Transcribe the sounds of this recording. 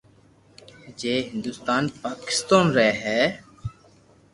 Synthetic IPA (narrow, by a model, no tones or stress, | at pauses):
d͡ʒeːɦɪ̃nd̪ʊst̪aːnpaːkɪ̥st̪aːnɾɛɦɛː